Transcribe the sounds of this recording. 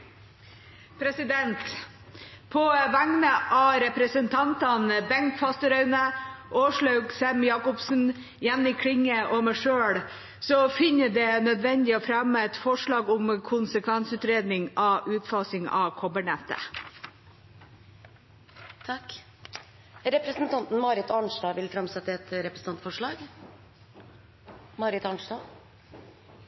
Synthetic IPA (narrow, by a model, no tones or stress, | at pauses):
pʰɾɛsɪd̪ɛnt̪ | pʰɔʋæŋnəʔɑɾɛpɾəsənt̪ʰɑnt̪ɑnbɛŋkfɑst̪əɾœʉnəʔoːʂɭɑʉɡsɛmjɑːkʊpsn̩ | jɛnːɪkʰɽɪŋːəʔɔmæʂøːɽ | sɔfɪnəɖɛnœd̪ʋɛnd̪ɪɔfɾæmːəɛt̪fɔʂɭɑːɡʊmkʰʊnsəkʰʋænsʉːt̪ɾeːd̪nɪŋɑʔʉːt̪fɑːsɪŋɑ̰kʰɔbəɳɛt̪ːə̰ | t̪ʰɑkː | ɾɛpɾəsnt̪ʰɑnt̪n̩mɑːɾɪt̪ɑɳʂdɑːʋɪlfɾɑmsɛt̪ːəɛt̪ɾɛpɾəsn̩ɑnt̪fɔʂɭɑːɡ | mɑɾɪt̪ɑɳʂdɑː